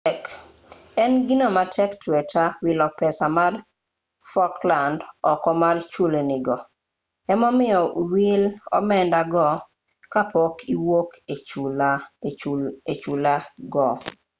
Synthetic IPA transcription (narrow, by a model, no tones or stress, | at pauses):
ɛk | ɛnɡinomatʰɛktwɛtawilɔpɛsamar | fɔklandɔkɔmart͡ʃuleniɡɔ | ɛmɔmɪɔwilɔ̰mɛndaɡɔ | kapɔkiwoke | et͡ʃulaɡɔ